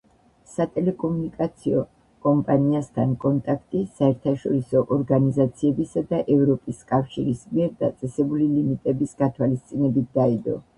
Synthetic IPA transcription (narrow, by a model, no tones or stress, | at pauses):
sat̪ʼɛlɛkʼɔmunikʼat̪sʰiɔ | kʼɔmpʼaniast̪ʰankʼɔnt̪ʼakʰt̪ʼisaɛɾt̪ʰaʃɔɾisɔʔɔɾɡanizat̪sʰiɛbisad̪aʔɛvɾɔpʼiskʼafʃiɾismiɛɾd̪a̰t̪sʼɛsɛbulilimit̪ʼɛbisɡat̪ʰwalist̪sʼinɛbit̪̚ʰd̪aid̪ɔ̰